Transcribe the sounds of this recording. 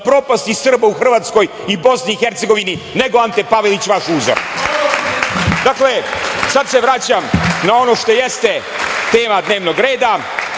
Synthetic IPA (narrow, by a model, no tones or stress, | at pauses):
pɾo̞past̪isr̩bauxr̩ʋaːt̪sko̞j | ibo̞sniːxeɾt̪se̞ɡo̞ʋinine̞ɡo̞ant̪epaʋelit͡ɕʋaʃuːzo̰ɾ | d̪aklesad̪se̞ʋɾat͡ɕamnao̞no̞ʃt̪o̞jest̪e | t̪e̞ːmad̪ne̞ːʋno̞ɡɾe̞ːd̪a